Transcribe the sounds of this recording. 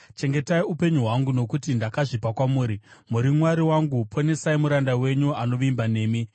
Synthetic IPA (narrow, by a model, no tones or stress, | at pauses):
t͡ʃe̞ŋɡe̞taiupe̞ɲuɦwaŋɡuno̞kutindakaʐipakwamuːɾimuɾimwaɾiwaŋɡupʰone̞saimuɾandawe̞ɲuano̞ʋimbane̞ːmi